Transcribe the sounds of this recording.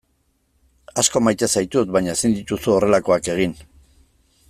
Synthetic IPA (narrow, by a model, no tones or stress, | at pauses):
asko̞majt̪esajt̪ut̪βajɲaesind̪it̪usuo̞re̞lako̞ake̞ɣ̞in